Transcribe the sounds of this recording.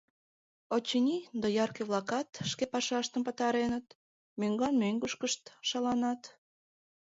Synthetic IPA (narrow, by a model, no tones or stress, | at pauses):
ot͡ɕənʲid̪ɑjɑrkeβlˠɑkɑt̪ʃkepɑʃɑʃt̪əmpə̆t̪ɑɾenət̪ | møŋɡɑnmøŋɡuʃkəʃt̪ʃɑlɑnɑt̪